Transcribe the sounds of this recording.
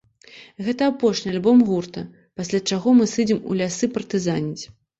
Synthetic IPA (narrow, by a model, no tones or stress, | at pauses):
ɣɛt̪ɐapɔʂnʲialʲbɔmɣurt̪ɐ | pasʲlʲat͡ʂaɣɔmɨsɨd͡zʲimṵlʲasɨpɐrt̪ɨzanʲit͡sʲ